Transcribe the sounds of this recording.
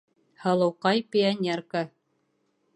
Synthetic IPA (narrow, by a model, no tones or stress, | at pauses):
hɤ̆lˠɤ̆wqɑjpʲɪɐnʲerka